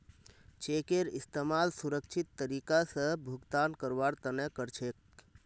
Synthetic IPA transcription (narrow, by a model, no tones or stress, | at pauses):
t͡ʃekeɾist̪emalsuɾək̚t͡ʃʰit̪ːəɾikasə̃bʱuɡt̪ankəɾʋaɾt̪ənɛkəɾt͡ʃʰek